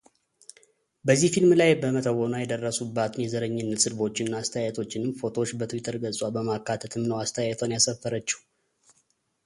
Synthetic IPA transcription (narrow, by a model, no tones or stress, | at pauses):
bəzːihfilmlajbəmət̪ʰəwonajɛd̪ərːəsubːat̪ʰɨnjɛzəɾəɲːɪnːət̪sɨlbo̞t͡ʃːɪnːaːst̪ʰəjajt̪ʰo̞t͡ʃːɪnɨmfo̞t̪ʰo̞t͡ʃːbət̪ʰuwit̪ʰəɾɡəsʼwabəmakːat̪ʰət̪ʰɨmnəwast̪ʰəjaɛt̪ʰwanjasəfːəɾət͡ʃːɛw